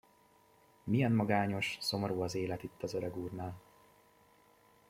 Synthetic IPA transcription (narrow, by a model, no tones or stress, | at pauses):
mijɛnmɒɡaːɲo̞ʃso̞moɾuːɒzeːlɛt̪it̪ːɒzøɾɛɡuːrnaːl